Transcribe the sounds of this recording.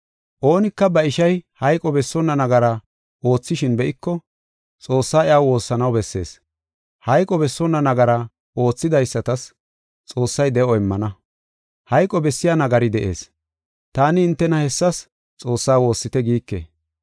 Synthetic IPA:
ʔo̞ːnɪkːɐbɐɪʃɐjhɐjkʼɔbɛsːɔnːɐnɐɡɐɾɐ | ʔo̞ːt͡sːɪʃɪnbɛʔɪkːɔ | t͡sʼo̞ːsːaːɪaːwo̞ːsːɐnɐwbɛsːeːs | hɐjkʼɔbɛsːɔnːɐnɐɡɐɾɐ | ʔo̞ːt͡sːɪd̪ɐjsːɐt̪ɐs | t͡sʼo̞ːsːɐjd̪ɛʔɔɪmːɐnɐ | hɐjkʼɔbɛsːɪjanɐɡɐɾɪd̪ɛʔe̞̰ːs | t̪aːnɪɪnt̪ːɛnɐhɛsːɐs | t͡sʼo̞ːsːaːwo̞ːsːɪt̪ɛɡiːkːḛː

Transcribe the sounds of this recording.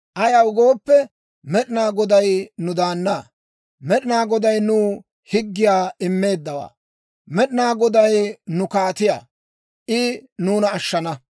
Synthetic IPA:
ʔɐjɐwʊɡo̞ːpːɛ | mɛɗɪnaːɡɔd̪ɐjnʊd̪aːnːaː | mɛɗɪnaːɡɔd̪ɐjnuː | hɪɡːɪjaːɪmːe̞ːd̪ːɐwa̰ː | mɛɗɪnaːɡɔd̪ɐjnʊkaːt̪ɪja̰ː | ʔɪnuːnɐːʃːɐnɐ

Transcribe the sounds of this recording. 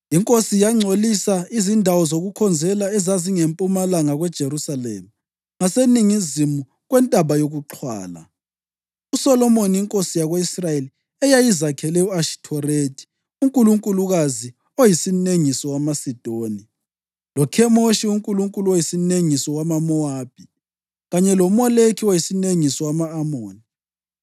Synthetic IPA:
iŋkʼosijaŋ͡ǀʱolisaizindʱawɔzoɣukʰɔnd͡zʱɛlaɛzaziŋempʼumalaŋaɣwɛd̥ʒ̥ʱerusalḛːma | ŋaseniŋizimu | ɣwɛntʼaβajoɣuǁʰwa̰ːla̰ | usɔlɔmoniiŋkʼosijaɣweisrajeli | ɛjajizakʰɛlɛuaʃi̥tʰɔretʰʼi̥ | uŋkʼuluŋkʼuluɣazi | ojisineŋisɔwamasid̥ʱoːni | lɔkʰɛmoʃiuŋkʼuluŋkʼuluojisineŋisɔwamamɔaːb̥ʱi | ɣaɲɛlɔmɔlekʰiwojisineŋisɔwamaːmoːni

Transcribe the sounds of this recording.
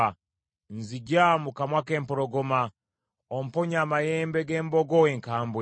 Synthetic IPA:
nziɟamukamwakeːmpoɾoɡoma | om̩poɲamajeːmbeɡeːmboɡoweŋkaːmbwe

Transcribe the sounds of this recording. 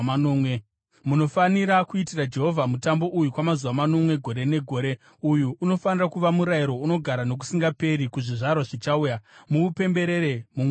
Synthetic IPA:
anoːmwe | muno̞faniɾakuitirad͡ʒe̞ɦo̞vʱamutambo̞ʔujukwamazuʋamano̞mwe̞ɡʱo̞ɾe̞ne̞ɡʱo̞ːɾe̞ | ujuʔːno̞fanirakuʋamuɾajiɾo̞uno̞ɡʱaɾano̞k̬u̥siŋɡape̞ɾikuʐiʐarwaʐit͡ʃaujamuupe̞mbe̞ɾeɾe̞mu

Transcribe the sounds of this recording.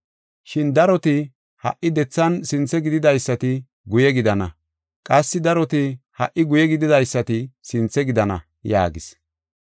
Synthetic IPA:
ʃɪnd̪ɐɾɔt̪ɪ | hɐ̰ʔːɪd̪ɛt͡sːɐnsɪnt͡sːɛɡɪd̪ɪd̪ɐjsːɐt̪ɪ | ɡʊjɛɡɪd̪ɐnɐ | kʼɐsːɪd̪ɐɾɔt̪ɪhɐ̰ʔːɪɡʊjɛɡɪd̪ɪd̪ɐjsːɐt̪ɪsɪnt͡sːɛɡɪd̪ɐnɐ̰ | ja̰ːɡɪs

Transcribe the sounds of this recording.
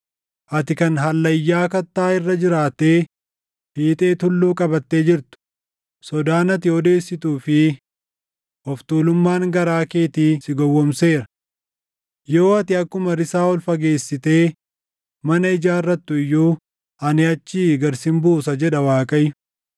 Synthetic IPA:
ʔɐt̪ɪkɐnɦɐlːɐjːaːkɐt̪ːaːɪrːɐd͡ʒɪɾaːt̪eː | hiːt̪ʼe̞ːt̪ʊlːuːkʼɐbɐt̪ːe̞ːd͡ʒɪɾt̪ʊ̥ | sɔd̪aːnɐt̪̬ɪɔd̪e̞ːsːɪt̪uːfɪ | ʔɔft̪uːlʊmːaːŋɡɐɾaːkeːt̪iːsɪɡɔwːɔmse̞ːɾɐ | joːɐt̪ɪɐkːʊmɐɾɪsaːɔlfɐɡe̞ːsːɪt̪e̞ː | mɐnɐɪd͡ʒaːɪrːɐt̪ːʊɪjːuː | ʔɐnɪɐt͡ʃːiːɡɐɾsɪmbuːsɐd͡ʒɛᶑɐwaːkʼɐjʊ̥

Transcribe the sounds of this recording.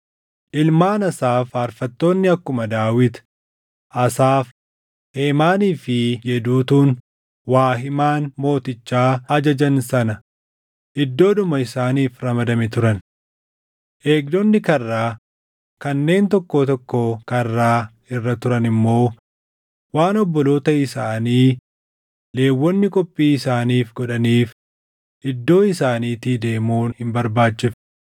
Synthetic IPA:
ʔɪlmaːnɐsaːfɐɾfɐt̪ːo̞ːnːɪɐkːʊmɐd̪aːwɪt̪ | ʔɐsaːf | e̞ːmaːniːfɪjɛd̪uːt̪uːn | waːɦɪmaːnmo̞ːt̪ɪt͡ʃːaːɐd͡ʒɐd͡ʒɐnsɐnɐ | ʔɪd̪ːo̞ːᶑʊmɐɪsaːniːfɾɐmɐd̪ɐmɛt̪ʊɾɐn | ʔe̞ːɡd̪ɔnːɪkɐrːaː | kɐnːe̞ːnt̪ɔkːoːt̪ɔkːoːkɐrːaː | ɪrːɐt̪ʊɾɐnɪmːo̞ː | waːnɔbːɔlo̞ːt̪ɐɪsaːniː | le̞ːwːɔnːɪkʼɔpʼːiːɪsaːniːfɡɔᶑɐniːf | ʔɪd̪ːo̞ːɪsaːniːt̪iːd̪e̞ːmuːnhɪmbɐɾbaːt͡ʃt͡ʃːɪf

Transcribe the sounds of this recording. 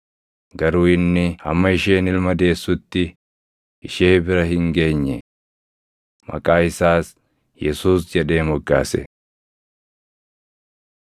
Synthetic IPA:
ɡɐɾuːɪnːɪhɐ̰mːɐɪʃe̞ːnɪlmɐd̪e̞ːsːʊt̪ːɪ | ʔɪʃe̞ːbɪɾɐɦɪŋɡe̞ːɲːɛ | mɐ̰kʼaːɪsaːs | jɛsuːsd͡ʒɛᶑe̞ːmɔɡːa̰ːsɛ̰

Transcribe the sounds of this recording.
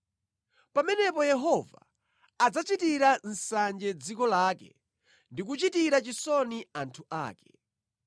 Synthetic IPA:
pamɛnɛpɔjɛɦɔva̰ː | d͡zat͡ʃitiɾan̩sand͡ʒɛd͡zikɔlaːkɛ̰ | ndik̬ut͡ʃitiɾat͡ʃisɔniantʰuʔa̰ːkɛ̥

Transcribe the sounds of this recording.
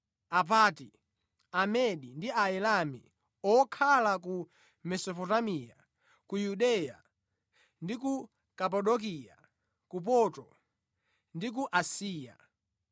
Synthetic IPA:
ap̬aːti | amɛɗindiaɛlamḭ | ɔkʰalaku | mɛsɔpɔtamija̰ | kujuɗɛja̰ | ndiku | kap̬aɗɔk̬ija̰ | kup̬ɔtɔ | ndik̬uʔasiːja̰

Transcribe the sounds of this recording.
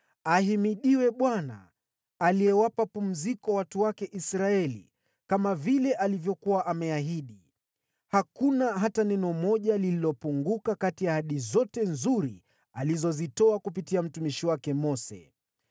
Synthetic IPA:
aɦimiɗiwɛɓwana̰ː | liɛwapapum̩zikɔwatuwakɛʔisɾaɛlḭ | kamavilɛʔalivjɔkuwaʔamɛaɦiɗi | hakunaɦatanɛnɔmɔʄalililɔpuŋɡukakatijahaɗizɔtɛnzuɾḭ | alizɔzitɔakupitiam̩tumiʃiwakɛmɔsɛ̰

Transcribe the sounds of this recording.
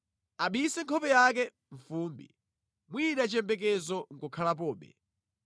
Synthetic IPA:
aɓisɛŋkʰɔpɛjak̬ɛ | ɱfuːmbḭ | mwiɗat͡ʃɛmbɛk̬ɛzɔŋ̩kɔkʰalap̬ɔːɓɛ̰

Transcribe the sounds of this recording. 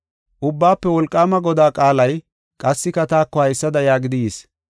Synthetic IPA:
ʔʊbːaːpːɛwɔlkʼːaːmɐɡɔd̪aːkʼaːlɐj | kʼɐsːɪkɐt̪aːkːɔhɐjsːɐd̪ɐjaːɡɪd̪ɪjeːs

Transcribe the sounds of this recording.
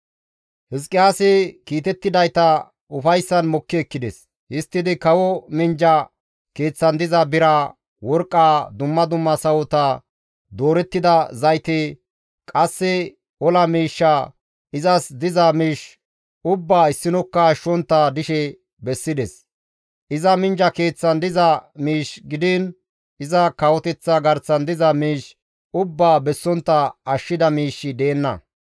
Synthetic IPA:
hɪskʼːɪjaːsɛkiːt̪ɛt̪ːɪd̪ɐjt̪ɐ | ʊfɐjsːɐnmɔkːɪɛkːɪd̪ɛs | hɪst̪ːɪd̪ɪkɐwɔmɪnd͡ʒɐ | ke̞ːt͡sːɐnd̪ɪzɐbɪɾɐ | wɔɾkʼːaːd̪ʊmːɐd̪ʊmːɐsɐwɔt̪ɐ | d̪o̞ːɾɛt̪ːɪd̪ɐzɐjt̪e | kʼɐsːɛ | ɔlɐmiːʃːɐ | ʔɪzɐsd̪ɪzɐmiːʃ | ʔʊbːaːɪsːɪnɔkːɐːʃːɔnt̪ːɐd̪ɪʃɛ | bɛsːɪd̪ɛs | ʔɪzɐmɪnd͡ʒɐke̞ːt͡sːɐnd̪ɪzɐmiːʃɡɪd̪ɪn | ʔɪzɐkɐwɔt̪ɛt͡sːɐɡɐɾt͡sːɐnd̪ɪzɐmiːʃ | ʊbːaːbɛsːɔnt̪ːɐɐʃːɪd̪ɐmiːʃːɪd̪eːnːɐ̰

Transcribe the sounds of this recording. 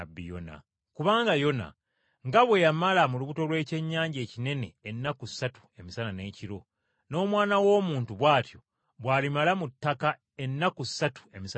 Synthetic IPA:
bːḭjo̰na̰ | kuβaːŋɡajo̞na̰ | ŋɡaβwe̞jamalamuluβuto̞lwe̞ːce̞ɲːaːɲɟe̞ːcine̞ne̞̰ːnːakusːatu̥e̞misanane̞ːciɾo̞ | no̞ːmwaːnawo̞ːmuːntuβwaːtʰjo̞ | βwaːlimalamutːaka | e̞nːakusːatu̥e̞mis

